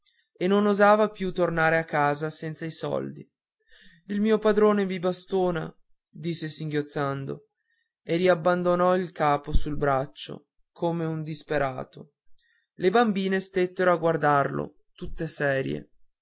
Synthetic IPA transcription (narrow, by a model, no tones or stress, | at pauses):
enːonozaːvapjut̪ornaːɾeakːaːzasɛnt̪saisɔ̰ld̪ḭ | ilmiːopad̪ɾoːnemibast̪oːna | d̪isːesiŋɡjot̪sːand̪o̰ | eriabːand̪onɔilkaːposulbɾat͡ʃːo̰ | kʰoːmeund̪ispeɾʔa̰ːt̪o | lebambiːnest̪et̪ːeɾoaɡward̪arlo̰ | t̪ut̪ːesɛːɾjḛ